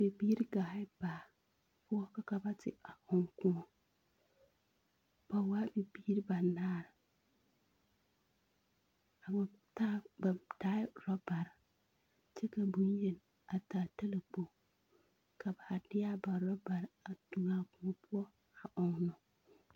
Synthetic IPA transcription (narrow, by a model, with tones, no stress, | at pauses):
b̥e˨biː˦ɾɪ˦ɡaː˨˦ɪ˦baː˨ | pʊ˦ɔ˦ka˨ka˦ba˦tɪ̰˨a˨ʔɔ˨ŋkʊ̃˦ɔ˨ | b̥a˨waː˦be˨biː˦ɾɪ˦ba˨naː˦˨ɾɪ˨ | a˨bta˦ba˨taː˦ɪ˦ɾɔ˦ba˨ɾɪ˨ | t͡ʃɛ˦ka˨bu˦n˦je˨n | a˨taː˨ta˦la˨k͡po˨ | ka˨ba˨ha˨dɪ˦a˦ba˨ɾɔ˦ba˨ɾɪ˨a˨tu˨ŋa˨kʊ̃˨ɔ˨pʰʊ˦ɔ˦ | a˨ʔɔ˨ŋnɔ˨